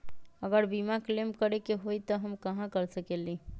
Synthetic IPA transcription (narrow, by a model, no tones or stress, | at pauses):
əɡəɾbimaklemkəɾekeɦoit̪ɔɦəmkəɦãkəɾsəkeli